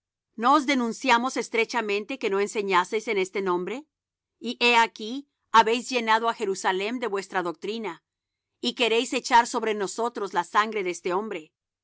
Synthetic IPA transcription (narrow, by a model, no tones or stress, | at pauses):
no̞ozðe̞nũnsjamo̞se̞st̪ɾet͡ʃamẽ̞nt̪e̞ke̞no̞e̞nse̞ɲase̞jse̞ne̞st̪enõ̞mbɾe̞ | iʔe̞aki | aβe̞jzʝe̞nað̞oaxe̞ɾusale̞md̪e̞βwe̞st̪ɾaðo̞k̚t̪ɾina | ike̞ɾe̞jse̞t͡ʃaɾso̞βɾe̞no̞so̞t̪ɾo̞zlasaŋɡɾe̞ðeest̪e̞o̞mbɾe̞